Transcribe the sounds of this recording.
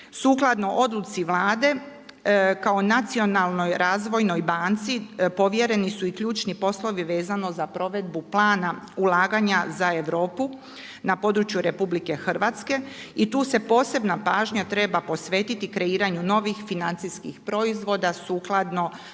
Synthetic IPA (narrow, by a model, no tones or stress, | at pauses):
suklˠad̪no̞ʔo̞d̪lut̪siʋlˠaːd̪e̞ | kao̞nat̪sio̞nalˠno̞jɾaːzʋo̞jno̞jbant̪sipo̞ʋje̞ɾe̞nisuikʎuːt͡ʃnipo̞slo̞ʋiʋe̞ːzano̞zapɾo̞ʋe̞d̪buplˠaːna | ulˠaːɡaɲazae̞ʋɾo̞ːpu | napo̞d̪ɾut͡ʃjuɾe̞publike̞xr̩ʋat̪ske̞ | it̪uːse̞po̞ːse̞bnapaːʒɲat̪ɾe̞bapo̞sʋe̞t̪it̪ikɾe̞iːɾaɲuno̞ːʋixfinant̪siskixpɾo̞izʋo̞d̪asuːklˠad̪no̞